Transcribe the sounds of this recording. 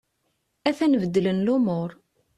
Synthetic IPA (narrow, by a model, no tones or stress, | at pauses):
æθænvəd̪ːələnlʊmʊɾˤ